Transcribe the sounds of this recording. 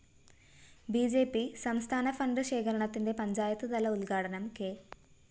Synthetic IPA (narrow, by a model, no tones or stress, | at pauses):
biːd͡ʑeːpisɐmst̪ʰaːnɐfɐɳɖɨɕe̞ːkɐɾɐɳɐt̪ːinde̞pɐɲd͡ʑaːjɐt̪ːɨt̪ɐlɐulɡaːʈɐnɐmke̞ː